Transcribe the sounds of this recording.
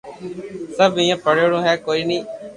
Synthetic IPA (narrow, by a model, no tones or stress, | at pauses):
səbɪ̃ːãːpəɽoːɽõːɦɛːkoːiːnĩː